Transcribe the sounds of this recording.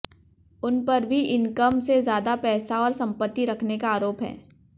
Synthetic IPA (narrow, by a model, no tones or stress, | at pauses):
ʊnpɐɾbʱiʔɪnkəmsezjaːd̪apɛːsaɔːɾsɐ̃mpət̪ːiɾɐkʰnekaaːɾoːpɦɛ̰̃ː